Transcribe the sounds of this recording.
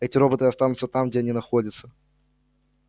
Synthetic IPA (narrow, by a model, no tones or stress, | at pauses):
ɛtʲɪɾo̞bət̪ɨɐst̪anʊt̪sət̪amɡ̚dʲeɐnʲinɐxodʲət̪sə̥